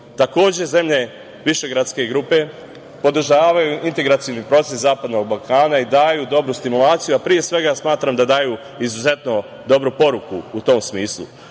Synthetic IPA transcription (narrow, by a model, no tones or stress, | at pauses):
t̪ako̞ːd͡ʑe̞ze̞mʎe̞ | ʋiʃe̞ɡɾat̪ske̞ɡɾuːpe̞ | po̞d̪ɾ̩ʒaːʋajuʔint̪e̞ɡɾat̪sijonipɾo̞t̪seszaːpad̪no̞ɡbalˠkaːnaid̪aːjud̪o̞bɾust̪imulaːt̪sijuapɾije̞sʋe̞ɡasmaːt̪ɾamd̪ad̪aːju | izuze̞t̪no̞ | d̪o̞bɾupo̞ɾukuut̪o̞msmiːslˠṵ